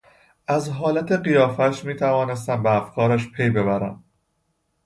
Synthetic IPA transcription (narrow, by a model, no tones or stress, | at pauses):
ʔæzɦɒːlæt̪ʰe̞ɢijɒːfæʃmiːt̪ʰævɒːne̞s̬t̪æmbeæfkʰɒːɾæʃpʰe̞jbe̞βæɾæ̰m